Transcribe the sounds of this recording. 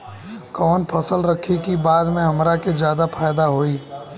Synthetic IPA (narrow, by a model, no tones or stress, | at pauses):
kɔːnpʰɐsəlɾɐkʰikibaːd̪mẽɦɐmɾaked͡ʒjaːd̪apʰaːjd̪aɦoːiː